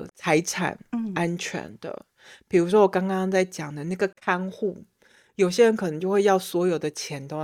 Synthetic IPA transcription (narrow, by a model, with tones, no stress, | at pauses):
t͡sʰa˧˥ɪʈ͡ʂʰa̰˨˩nʔa˥nt͡ɕʰɥɛ̰˧˥nd̪ə̰˧ | pi˨˩ɻu˧˥ʂ̬wɔ˥wɔ˨˩kɑ˥ŋkɑ˥ŋt͡sa˥˩ɪt͡ɕjɑ˨˩ŋd̪ə˦na˥˩ɡə˩kʰa˥nxu˥˩ | jo˨˩ʊɕ̬jɛ˦˥ɻə˧˦nkʰɤ˨˩nɤ˧˥ŋt͡ɕjo˥˧ʊxwe˥˧ɪjɑ˥˩ʊswɔ˧˥jo˨˩ʊd̪ə˦t͡ɕʰjɛ˧˥nt̪o˥